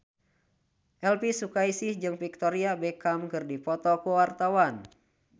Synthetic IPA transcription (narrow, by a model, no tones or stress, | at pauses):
ʔɛlpisukaisɪhd͡ʒɨŋpik̚t̪ɔɾiabɛkamkɨrdipɔt̪ɔkuwart̪awan